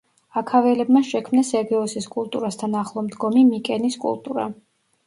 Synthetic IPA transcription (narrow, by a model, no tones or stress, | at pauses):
akʰavɛlɛbmaʃɛkʰmnasɛɾɡiɔsiskʼulˠt̪ʼuɾast̪ʰanaχlˠɔmd̪ɡɔmimikʼɛniskʼṵlˠt̪ʼṵɾa̰